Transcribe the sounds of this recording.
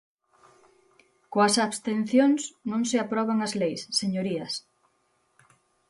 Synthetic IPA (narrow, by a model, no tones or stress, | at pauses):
koɐsaβst̪en̟θjoŋsnõŋsɪapɾɔβaŋɐzlejsːeɲoɾiɐs